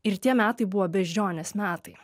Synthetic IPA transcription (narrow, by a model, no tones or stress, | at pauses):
ɪɾt̪ʲiɛmʲæːt̪ɐɪbʊʋoːbʲɛʒʲd͡ʒʲoːnʲesmʲæːt̪ɐɪ